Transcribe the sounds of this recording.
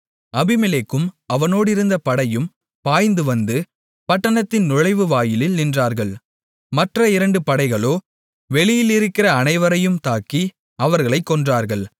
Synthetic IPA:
ɐbɪmɪleːkːɯmɐʋɐnoːɽɪɾɯnd̪ɐpɐɽɐjɯm | paːjnd̪ɯʋɐnd̪ɯ | pɐʈːɐɳɐt̪ːɪnnʊɻɐɪʋɯʋaːjɪlɪlnɪndraːɾɣɐɭ | mɐʈrɐɪɾɐɳɖɯpɐɽɐɪɣɐɭoː | ʋɛɭɪjɪlɪɾɯkːɪrɐːnɐɪʋɐɾɐjɯmt̪aːkːi | ɐʋɐɾɣɐɭɐɪkːɔndraːɾɣɐɭ

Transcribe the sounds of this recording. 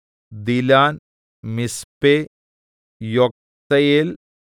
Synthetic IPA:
d̪ilaːn | mispe | jɔk̚t̪ɐjel

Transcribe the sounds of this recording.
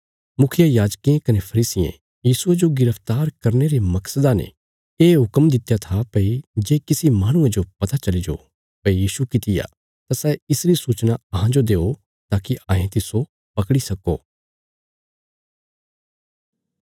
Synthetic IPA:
mʊkʰɪjajaːd͡ʒkiẽkɐnepʰɐɾiːsɪjḛ̃ | jiːsʊed͡ʒoɡɪɾəpʰt̪aːɾkɐɾneɾemɐksəd̪anḛ | eːɦʊkəmd̪ɪt̪jat̪ʰapɐid͡ʒeːkɪsimaːɽ̃ʊ̃ẽd͡ʒopɐt̪at͡ʃɐlid͡ʒo̰ | pɐijiːsukɪt̪ɪja̰ | t̪asɛɪsɾisuːt͡ʃnaɐɦãd͡ʒod̪eːo | t̪aːkiʔãːɦẽt̪ɪso | pɐkɽisɐko̰ː

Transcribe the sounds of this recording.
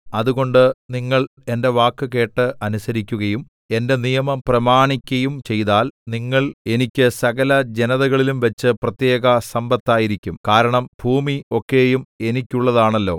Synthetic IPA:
ɐðuɣo̞ɳɖɨniŋːɐɭe̞nde̞ʋaːkːɨke̞ːʈːɨʔɐnusɐɾikʲːuɣɐjum | e̞nde̞nijɐmɐmprɐmaːɳikʲːɐjumt͡ɕe̞jðaːlniŋːɐɭe̞nikʲːɨsɐɣɐlɐd͡ʑenɐðɐɣɐɭilumʋɐt͡ɕːɨprɐt̪je̞ːɣɐsɐmbɐt̪ːaːjiɾikʲːumkaːɾɐɳɐmbʱuːmio̞kːe̞ːjume̞nikʲːuɭːɐðaːɳɐlːo̞̰ː

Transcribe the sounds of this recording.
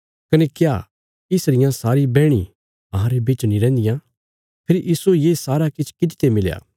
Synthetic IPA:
kɐnekjaː | ɪsɾɪjãsaːɾibɛːɽ̃ḭ | ɐɦãɾebiːt͡ʃnĩɾɛ̃ːnd̪ɪjã | pʰɪɾiʔiːsujeːsaːɾakɪt͡ʃʰkɪd̪ɪt̪emɪlja̰ː

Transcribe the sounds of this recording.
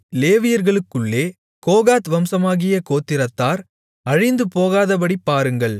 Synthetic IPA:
leːʋɪjɐɾɣɐɭɯkːɯɭːeː | koːɣaːt̪ʋɐmsɐmaːɣɪjɐkoːt̪ːɪɾɐt̪ːaːɾ | ɐɻɪnd̪ɯpoːɣaːðɐp̬ɐɽipːaːɾɯŋɡɐɭ

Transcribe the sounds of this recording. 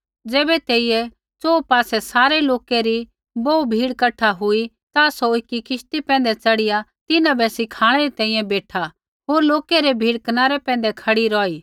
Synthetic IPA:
d͡zɛːbɛt̪eːijɛ | t͡soːpaːsɛsaːɾɛloːkeɾi | bɔːubʱiːɽkɐʈʰaɦʊi | t̪asoɪkːikɪst̪ipɛ̃ːnd̪ɛt͡sɐɽɪjat̪ɪnãbɛsɪkʰaːɽ̃ɛɾit̪ɛ̃ːĩːjɛ̃beːʈʰa | ɦoːɾloːkɛɾɛbʱiːɽkɐnaːɾɛpɛ̃ːn̆d̪ɛkʰɐɽiɾɔːiː

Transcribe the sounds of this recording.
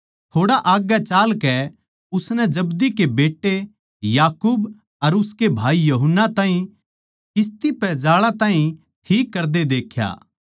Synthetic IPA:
t̪ʰoːɽaʔaːɡjat͡ʃaːlkɛ | ʊsnɛd͡ʒɐbd̪ikebeːʈːe | jaːkuːb | ɐɾʊskebʱaːijɐɦənːat̪ãːɦĩ | kɪs̬t̪ipɛd͡ʒaːɭat̪ãːɦĩ | ʈʰiːkːɐɾd̪ed̪eːkʰja̰ː

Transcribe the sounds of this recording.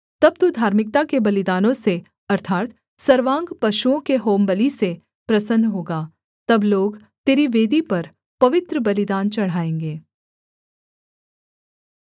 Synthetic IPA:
t̪ɐb̚t̪ud̪ʱaːɾmɪk̚t̪akebɐlɪd̪aːnõse | ɐɾt̪ʰaːt̪ | sɐɾʋãːŋɡpɐʃuõkeɦoːmbəlise | pɾɐsənːɦoːɡaː | t̪ɐbloːɡ | t̪eːɾiʋeːd̪ipɐɾ | pɐʋɪt̪ɾəbɐlɪd̪aːnt͡ʃɐɽ̤aːẽːŋɡeː

